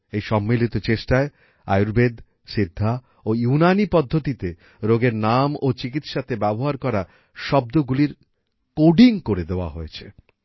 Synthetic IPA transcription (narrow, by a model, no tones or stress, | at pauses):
ejʃɔmːilit̪ot͡ɕeʃʈae | a̰juɾbed̪ | ʃid̪ʱːa | ojunanipɔd̪ʱːot̪it̪e | ɾoɡeɾnamot͡ɕik̬it̪ʃat̪ebɛboɦaɾkɔɾa | ʃɔb̚d̪oɡuliɾ | koɖiŋkoɾed̪eoa̰ɦojet͡ɕʰe